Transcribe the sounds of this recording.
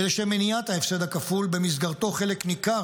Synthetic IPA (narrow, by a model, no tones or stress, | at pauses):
eleʃemeniat̪haefsed̪akafulbemis̬ɡaʁt̪o̞χe̞leknika